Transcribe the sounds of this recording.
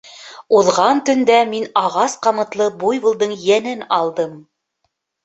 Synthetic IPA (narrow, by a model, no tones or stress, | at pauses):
uðʁɑnt̪ɵ̆nd̪æminɑʁɑsqɑmɤ̆t̪lˠɤbujbŭlˠd̪ɤɴjænɘnɑlˠd̪ɤm